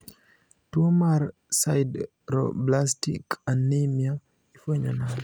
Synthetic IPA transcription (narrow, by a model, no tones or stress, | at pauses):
tuomaɾ | sajd | ɾo̰blastḭkanːemia | ifoɲɔnal